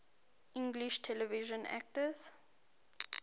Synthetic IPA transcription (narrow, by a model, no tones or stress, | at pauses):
ʔĩŋɡliʃtʰɛlɛviʒə̃na̰k̚təz̥